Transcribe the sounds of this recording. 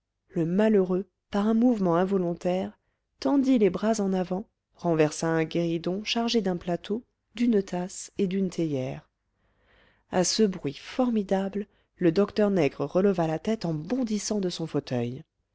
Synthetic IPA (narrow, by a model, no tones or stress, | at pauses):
ləmaløʁø | paʁɛ̃muvmɑ̃ɛ̃vɔlɔ̃t̪ɛʁ | t̪ɑ̃d̪ilebʁazɑ̃navɑ̃ | ʁɑ̃vɛʁsãɛ̃ɡʲeʁid̪ɔ̃ʃaʁʒed̪ɛ̃plat̪ʰo | d̪ynt̪ased̪ynt̪ʰejɛːʁ | a̰səbʁɥifɔʁmid̪abl | ləd̪ɔkt̪œʁnɛɡʁəʁələvalat̪ɛt̪ɑ̃bɔ̃d̪isɑ̃d̪əsɔ̃fot̪ʰœj